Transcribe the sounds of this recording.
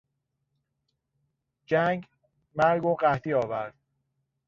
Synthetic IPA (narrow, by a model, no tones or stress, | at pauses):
d͡ʒæŋɡ | mæɾɡoɢæht̪ʰiːɒːvæɾd̪̥̚